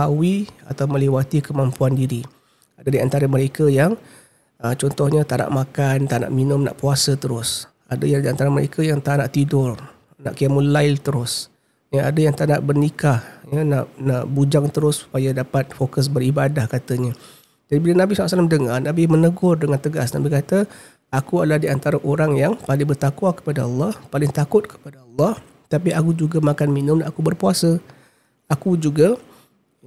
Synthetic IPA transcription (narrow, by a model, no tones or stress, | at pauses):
awia̰t̪awmə̃lewat̪ikəmampuandiɾi | adədiant̪aɾəməɾekəjaŋ | ət͡ʃɔnt̪ɔhɲət̪aʔna̰ʔmakant̪ana̰ʔminʊmna̰ʔpuasət̪əɾʊs | adəjaŋdiant̪aɾəməɾḛkʰəjaŋt̪aʔnaʔt̪idʊr | na̰ʔkiamulaɪlt̪əɾʊs | jəa̰dəjaŋt̪anaʔbərnikahjəna̰ʔnaʔbud͡ʒaŋt̪əɾʊssu̥pajadapat̪̚fokəs̬bəɾibadahkat̪əɲə | d͡ʒadibilanabisɔlːasalamdəŋarnabɪmənəɡʊrdəŋant̪əɡasna̰bikat̪ə | akuadlahdiant̪aɾaʔoɾaŋjaŋpalɪŋbərt̪akwakə̥padaɑlˠˤːɑhpalɪŋt̪akʊt̪̚kə̥padaɑlːɑh | t̪apiakud͡ʒuɡamakanminʊ̃makubərpuasə | akud͡ʒuɡa